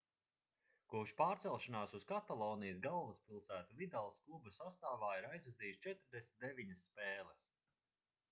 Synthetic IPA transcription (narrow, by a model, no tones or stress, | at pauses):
kuʃpaːɾt̪sɛlˠʃanaːsuskat̪alˠɔːnijsɡalˠvɐspilˠsæːt̪uvid̪alˠsklˠubusast̪aːvaːiɾajzɾɛziːjst͡ʃɛt̪ɾd̪esʲmʲt̪d̪evʲiɲɐsːpeːlˠɛs